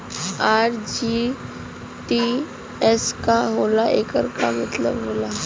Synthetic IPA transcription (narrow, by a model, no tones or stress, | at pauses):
aɾd͡ʑi | ʈi | eskaɦolaʔekəɾka̰mət̪lə̰bɦola